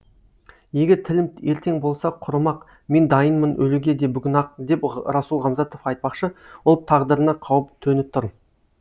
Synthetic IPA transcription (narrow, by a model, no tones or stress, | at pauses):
je̞ɡʲeɾt̪ʰɪlɪme̞ɾt̪e̞ŋbo̞lˠsɑqʰʊɾəmɑq | me̞nd̪ɑjənmənʔɵluɡʲe̞d̪e̞bʏɡʲɪnɑq̚d̪e̞pɾɑsulˠʁɑmzɑt̪o̞fɑjt̪̚pɑqʃəwolˠt̪ʰɑʁd̪əɾənɑqʰɑwəp̚t̪ʰɵnɪp̚t̪ʰːʊɾ